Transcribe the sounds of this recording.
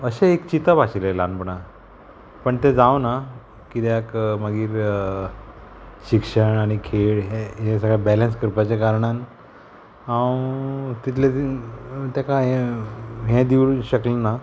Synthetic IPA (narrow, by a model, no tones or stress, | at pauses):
əɕeekt͡ɕit̪aʋaɕilelanpəɳa | pəɳt̪ed͡zawna | kit̪eakməɡiːɾ | ɕikʂəɳaɽ̃ikʰeɭɦeɦesəɡɭjabɛlə̃nskəɾpat͡ɕakaɾɳan | ɦãwt̪it̪ʰle | t̪jakaɦɛ̃ | ɦɛ̃d̪iʋuɕəklenːa